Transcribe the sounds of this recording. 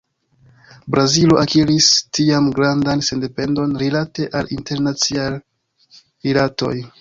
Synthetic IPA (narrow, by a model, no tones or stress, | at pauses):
bɾaziloʔakiɾistiamɡɾandanse̞nde̞pe̞ndo̞nɾilate̞ʔalinte̞ɾnat͡sial | ɾilato̞̰j